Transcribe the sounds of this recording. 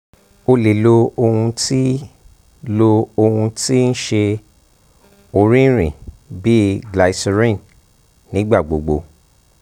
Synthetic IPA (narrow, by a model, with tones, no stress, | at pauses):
o˧le˨lo˧o˧hũ˧ti˦ | lo˧o˧hũ˧ti˦n̩˦ʃe˧ | o˨ɾĩ˦ɾ̃ĩ˨ | bi˦ɡla˨sɾĩ˦˨n | nĩ˨˦ɡ͡ba˦˨ɡ͡bo˨ɡ͡bo̰˧